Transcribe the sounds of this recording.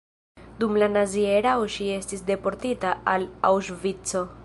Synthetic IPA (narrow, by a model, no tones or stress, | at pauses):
dumlanazie̞ɾaoʃie̞stisde̞po̞ɾtitaalawʃvit͡so̞